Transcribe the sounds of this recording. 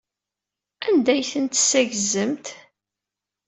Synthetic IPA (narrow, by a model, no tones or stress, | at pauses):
ænd̪æjθənt̪sæʝzəmt̪